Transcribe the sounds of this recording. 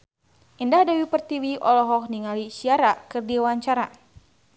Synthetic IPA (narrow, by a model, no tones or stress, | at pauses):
ʔindahdawipərt̪iwiʔɔlɔɦɔk̚niŋalisiaɾakɨrdiwaɲt͡ʃaɾa